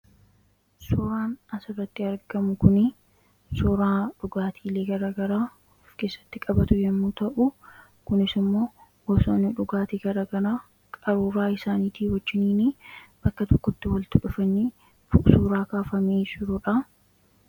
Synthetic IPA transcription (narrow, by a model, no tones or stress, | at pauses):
sʊɾaːnɐsɪrːɐt̪ːɪɐɾɡɐmʊkʊnɪ | sʊɾaːᶑʊɡaːt̪ʰiːle̞ːɡɐɾaːɡɐɾaː | fke̞ːsːɐ̥t̪ːɪkʼɐbɐt̪ʊjɛmːuːt̪ɐʔʊ | kʊnɪsɪmːo̞ː | wɔsɐnʊᶑʊɡaːt̪iɡɐɾaːɡɐɾaː | kʼɐɾuːɾaːɪsaːniːt̪iːwɐd͡ʒːɪniːnib̥ɐkːɐt̪ɔkːɔt̪ːɪwɐlt̪ʊᶑʊfɐnːeː | fʊʔsuːɾaːkaːfɐmeːd͡ʒɪɾʊᶑɐ